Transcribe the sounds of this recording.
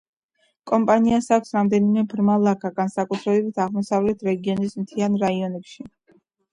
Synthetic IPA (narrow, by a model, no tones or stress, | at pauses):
kʼɔmpʼaniasakʰʷsɾamd̪ɛnimɛbɾmalˠakʰaɡansakʼut̪ʰɾɛɛbit̪ʰaʁmɔsavlɛt̪ʰɾɛɡiɔnismt̪ʰianɾaiɔnɛpʃi